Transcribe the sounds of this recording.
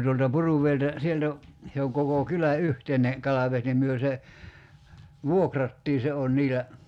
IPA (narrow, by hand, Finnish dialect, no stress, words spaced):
tuoltɑ puruʋˑeiltæ sieltæ se oŋ koko kylæ yhteine kɑlɑʋes nim myø se ʋuokrɑtːiː se on niːlæ